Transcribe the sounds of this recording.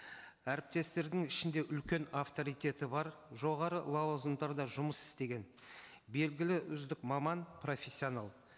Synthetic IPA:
æɾɪp̚t̪e̞st̪e̞ɾd̪ɪŋɪʃɪnd̪e̞ʔʏlkʲe̞nɑft̪o̞ɾijt̪ʲe̞t̪ɪbɑɾʒo̞ʁɑɾəlˠɑwzəmd̪ɑɾd̪ɑʒʊməsɪ̥st̪e̞ɡʲe̞n | be̞lɡʲɪlɪʔʏzd̪ɪkmɑmɑnpro̞fʲesʲːio̞nɑlˠ

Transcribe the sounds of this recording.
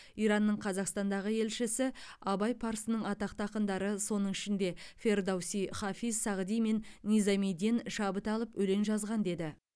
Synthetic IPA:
ijɾɑnːəɴqʰɑzɑqst̪ɑnd̪ɑʁəe̞lʃɪsɪɑbɑjpʰɑɾsənəɴɑt̪ɑq̚t̪ɑqənd̪ɑɾəso̞nəɴɪʃɪnd̪e̞fʲe̞rd̪awsijχɑfizsɑʁd̪ijme̞nːʲizamijd̪inʃɑbət̪ɑlˠəpɵle̞nʒɑzʁɑnd̪e̞d̪ɪ

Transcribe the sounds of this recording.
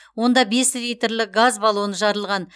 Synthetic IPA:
wo̞nd̪ɑbe̞slʲijt̪rlɪk̚ɡazbɑlˠunəʒɑɾəlˠʁɑn

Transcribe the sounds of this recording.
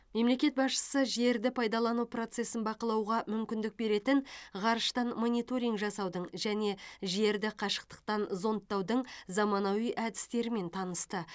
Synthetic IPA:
me̞mle̞kʲe̞t̪̚bɑsʃə̥səʒe̞ɾd̪ɪpʰɑjd̪ɑlˠɑnupro̞t̪se̞sɪnbɑqəlˠɑwʁɑmʏmkʲɪnd̪ɪk̚be̞ɾe̞t̪ɪnʁɑɾəʃt̪ɑnmo̞nʲijt̪o̞ɾʲiŋɡʒɑsɑwd̪əɴʒæne̞ʒe̞ɾd̪ɪqʰɑʃə̥q̚t̪ə̥q̚t̪ɑnzo̞nt̪ːɑwd̪əɴzɑmɑnɑwijʔæd̪ɪst̪e̞ɾɪme̞nt̪ʰɑnəst̪ə

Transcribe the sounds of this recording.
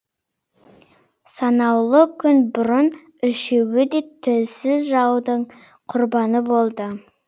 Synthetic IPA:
sɑnɑwlˠəkʲʰʏnbʊɾən | ʏʃe̞wɪd̪e̞t̪ʰɪlsɪzʒɑwd̪əɴ | qʰʊɾbɑnəbo̞lˠd̪ə

